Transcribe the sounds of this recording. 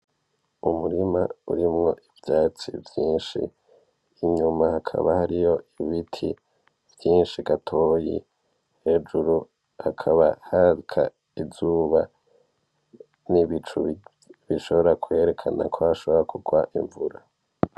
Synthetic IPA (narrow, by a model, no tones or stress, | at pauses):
umuɾima̰ṵɾimŋo̞ʔivjaːt͡sḭvjiːnʃḭː | ɲumahakʰa̰βahaɾijo̞ʔiβitʰḭ | vjiːnʃiɡatʰo̞ːjḭ | he̞d͡ʒuɾu | hakʰaβahaɾikʰa̰ | izuːβa | niβit͡ʃṵ | βiʃo̞βo̞ɾakwe̞ɾe̞kʰana̰kʰohaʃo̞βoɾakʰuɡwaʔiɱvuɾa